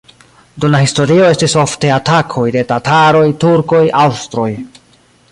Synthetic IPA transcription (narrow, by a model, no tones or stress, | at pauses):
dunlahisto̞ɾio̞e̞stiso̞fte̞atakʰo̞jde̞tataɾo̞jtuɾko̞jawstɾo̞j